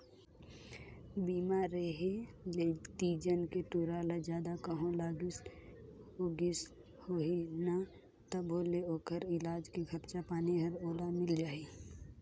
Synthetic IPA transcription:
biːmaːɾeɦelet̪iːd͡ʒənkeʈuɾaːlad͡ʒjaːd̪akəɦõlaːɡɪs | oɡɪs | hoɦina | t̪əbʱoːleoːkʰəɾɪlaːd͡ʒkeɡʰʱəɾt͡ʃapaːniɦəɾoːlamɪld͡ʒaːi

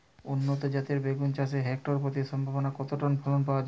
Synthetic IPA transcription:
unːot̪od͡ʑat̪eɾbeɡunt͡ɕaʃeɦɛk̚ʈoɾpɾot̪̬iʃɔmbʱabonakɔt̪oʈonbʱɔlonpaoad͡ʑ

